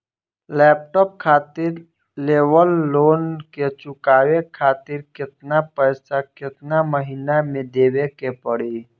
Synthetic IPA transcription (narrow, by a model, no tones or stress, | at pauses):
lɛːp̚ʈɔːp̚kʰaːt̪ɪɾ | leːwəlːoːnket͡ʃʊkaːwekʰaːt̪ɪɾkɪt̪napəɪsakɪt̪naməɦiːnamẽd̪eːwekepəɽiː